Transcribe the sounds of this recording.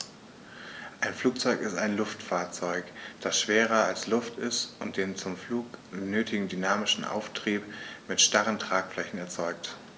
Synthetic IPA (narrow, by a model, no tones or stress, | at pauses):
ʔaɪnfluːk̚t͡sɔʏkɪstaɪnlʊftfaːɐt͡sɔʏkd̥asʃv̥eːʁɐalslʊftɪstʊnt̚d̥eːnt͡sʊmfluːknøːtʰɪɡŋ̩dynaːmɪʃn̩ʔa̰ʊftʁ̥iːpmɪtʃtaʁəntʁ̥aːkflɛçn̩ɛɐt͡sɔʏk̚t